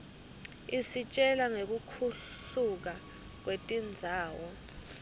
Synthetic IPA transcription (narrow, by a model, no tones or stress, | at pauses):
isit͡ʃʼɛlaŋek̬ukʰu | uk̬a | k̬wetʼind͡zʱaːwɔ